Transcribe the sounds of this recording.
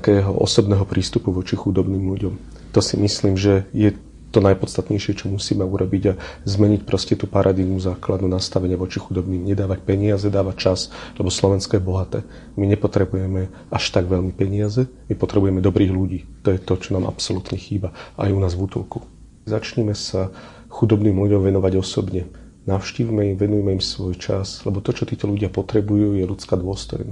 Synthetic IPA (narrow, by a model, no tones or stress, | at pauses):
t̪akɛːɦɔ̰ʔɔ̰sɔbnɛːɦɔpɾiːst̪upuʋɔt͡ʃixud̪ɔbniːmluɟɔm | t̪ɔsimisliːmʒɛjɛ | t̪ɔnajpɔt̪st̪at̪ɲɛjʃɪɛt͡ʃɔmusiːmɛuɾɔbiɟazmɛɲicpɾɔscɛt̪uːpaɾʔad̪idnuzaːklad̪nuːnast̪aʋɛɲɪaʋɔt͡ʃixud̪ɔbniːmɲɛd̪aːʋac̚pɛɲɪazɛd̪aːʋact͡ʃaslɛbɔslɔʋɛnskɔjɛbɔɦat̪ɛː | miɲɛpɔt̪ɾɛbujɛmɛ | aʃt̪aɡʋɛlmipɛɲɪazɛmipɔt̪ɾɛbujɛmɛd̪ɔbɾiːɣluɟiːt̪ɔjɛt̪ɔt͡ʃɔnaːma̰psɔlut̪ɲɛxiːbaʔa̰junaːzvut̪ɔlku̥ | zat͡ʃɲɛmɛsa | xud̪ɔbniːmluɟɔmʋɛnɔʋaɟɔsɔbɲɛ | naʊʃciːʋimɛimʋɛnujɛmɛimsʋɔjt͡ʃa̰slɛbɔt̪ɔt͡ʃɔt̪iːt̪ɔluɟɪapɔt̪ɾɛbujuːjɛlut͡skaːd̪ʊɔst̪ɔ̰jna